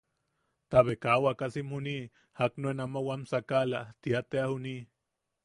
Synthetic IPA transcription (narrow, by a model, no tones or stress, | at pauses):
t̪aβekawakasimhuni | haknuenamawamsakalat̪iat̪eahuni